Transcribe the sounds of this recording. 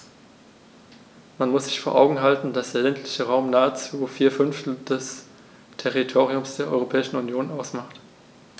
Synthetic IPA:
manmʊsz̥ɪçfoːɐʔa̰ʊɡŋ̩ɦaltn̩d̥asd̥eːɐlɛntʰlɪçəʁaʊmnaːət͡suːfiːɐfʏnftl̩d̥ɛs | tʰɛʁitʰoːʁiʊmsd̥eːɐʔɔ̰ʏʁopʰɛːɪʃn̩unjoːnʔaʊsmaχt

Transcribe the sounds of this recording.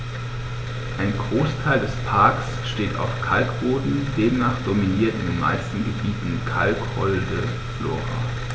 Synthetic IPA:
ʔaɪnɡʁoːstʰaɪldɛspʰaɐks | ʃteːta̰ʊfkʰalkb̥oːdn̩deːmnaːχd̥ominiːɐtɪndeːnma̰ɪstn̩ɡəbiːtn̩kʰalkhɔldə | flo̰ːɐʁa̰

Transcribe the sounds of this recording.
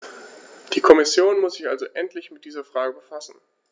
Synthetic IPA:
d̥iːkʰɔmɪsjoːnmʊsz̥ɪçʔalzoʔɛntlɪçmɪt̚d̥iːzɐfʁ̥aːɡəbəfasn̩

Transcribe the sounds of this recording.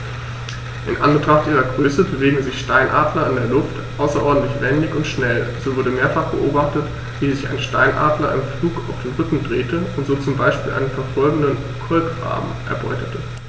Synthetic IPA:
ʔɪnʔa̰nbətʁ̥aχtʔiːʁɐɡʁøːsəbəveːɡŋ̩zɪçʃtaɪnʔa̰ːdlɐɪndeːɐlʊft | ʔaʊsɐʔɔɐdn̩tlɪçv̥ɛndɪçʊntʃnɛlz̥oːvʊɐdəmeːɐfaχb̥əʔoːbaχtət | v̥iːzɪça̰ɪnʃtaɪnʔa̰ːdlɐ̰ɪ̰nmfluːkaʊfd̥eːnʁʏkŋ̩dʁeːtəʊntz̥oːtt͡sʊmbaɪʃpiːlʔa̰ɪnənfɛɐfɔlɡŋ̩dən | kʰɔlpfa̰ːbm̩ʔɛ̰ɐbɔ̰ʏtə̥tə

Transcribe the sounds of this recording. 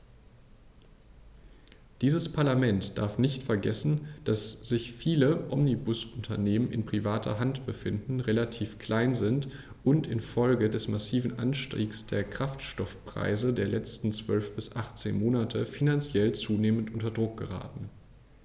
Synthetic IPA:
d̥iːzəspʰaɐlamɛntd̥a̰ɐfnɪçtfɛɐɡɛsn̩d̥asz̥ɪçfiːləʔɔmnibʊsʊntʰɐneːmənɪ̰npʁ̥ivaːtʰɐ̰ɦantb̥əfɪndn̩ʁelatʰiːfkl̥aɪnzɪnt | ʔʊntɪnfɔlɡədɛsmasiːvn̩ʔa̰nʃtʁḭːksd̥eːɐkʁ̥aftʃtɔfpʁ̥a̰ɪzədeːɐlɛt͡stn̩t͡sv̥œlfb̥ɪsʔaχtt͡sḛːnmoːnatʰəfinant͡sjɛlt͡suːneːməntʔʊntɐdʁʊk̚ɡ̥əʁa̰ːtn̩

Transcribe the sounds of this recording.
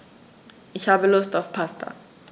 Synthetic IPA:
ʔɪçhaːbəlʊstaʊfpʰastʰa̰

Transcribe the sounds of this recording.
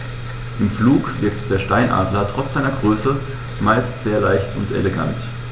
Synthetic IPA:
ʔɪmfluːkvɪɐktd̥eːɐʃtaɪnʔa̰ːdlɐtʁ̥ɔt͡sz̥aɪnɐɡʁøːsə | maɪlstz̥eːɐlaɪçtʊntḛleɡa̰nt

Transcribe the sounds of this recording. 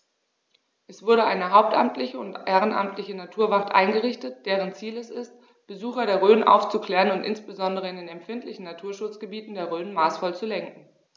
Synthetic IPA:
ʔɛsv̥ʊɐɾəʔaɪnəɦaʊp̚tʔa̰mtlɪçəʊntʔeːʁ̞ənʔa̰mtʰlɪçənatʰuːɐvaʁtʔa̰ɪnɡəʁɪçtət̚d̥eːʁ̞ənt͡siːlɛsɪst | b̥əzuːxɐɾeːɐʁøːnʔa̰ʊft͡sukl̥ɛːʁənʊntʔɪ̰nsb̥əzɔndəʁ̞əɪndeːnɛmfɪntlɪçn̩natʰuːɐʃʊt͡sɡ̥əbiːtn̩deːɐʁøːnmaːsfɔlt͡sulɛŋkŋ̩

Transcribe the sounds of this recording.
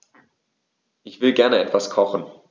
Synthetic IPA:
ʔɪçv̥ɪlɡɛɐnəɛtv̥askʰɔχn̩

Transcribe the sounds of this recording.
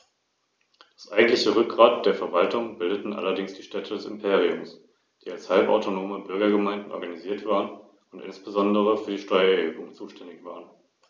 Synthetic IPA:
d̥ḁsʔaɪɡŋ̩tlɪçəʁʏk̚ɡ̥ʁaːt̚d̥eːɐfɛɐvaltʊŋbɪldətn̩ʔa̰lɐdɪŋsd̥iːʃtɛtʰədɛsɪmpʰeːʁ̞iʊms | d̥iːalshalpa̰ʊtonoːməbʏɐɡɐɡəmaɪndn̩ʔɔ̰ɐɡaniziːɐtv̥aːʁən | ʊntʔɪ̰nsb̥əzɔndəʁəfyːɐdiːʃtɔʏɐɛɐhøːbʊŋt͡suːʃtʰɛndɪçv̥aːʁən

